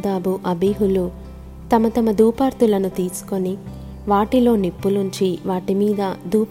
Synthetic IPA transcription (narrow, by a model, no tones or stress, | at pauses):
d̪aːbuʔɐbeːɦulu | t̪ɐmɐt̪ɐmɐd̪uːpaːɾt̪ulɐnut̪iːsu̥ko̞ni | ʋaːʈilo̞ːnepːunuɲt͡ʃiʋaːʈimiːd̪ɐd̪uːp